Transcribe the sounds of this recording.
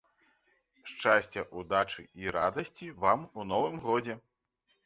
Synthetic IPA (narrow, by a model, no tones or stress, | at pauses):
ʂt͡ʂasʲt͡sʲɐʔud̪at͡ʂɨiɾad̪ɐsʲt͡sʲivamunɔvɨmɣɔd͡zʲɛ